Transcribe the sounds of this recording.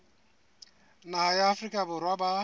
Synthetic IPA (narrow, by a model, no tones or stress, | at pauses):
nahajaːfrikʼabʊrwaba